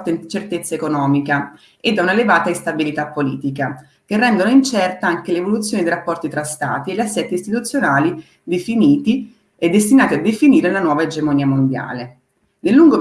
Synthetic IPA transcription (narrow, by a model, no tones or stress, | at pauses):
t̪aint͡ʃert̪et̪sːaekonɔːmika | ed̪ːaunaelevaːt̪aist̪abilit̪apːolḭːt̪ika | k̟erːɛnd̪onoint͡ʃɛrt̪aaŋkelevolut̪sjoːnid̪ejɾapːɔrt̪it̪ɾast̪a̰ːt̪ieʎːasːɛt̪ːiːst̪it̪ut̪sːjonaːli | d̪efiniːt̪i | ed̪ːest̪inaːt̪iad̪ːefiniːɾelanwɔːvaed͡ʒemoniːamond̪ja̰ːle | nelːuŋɡo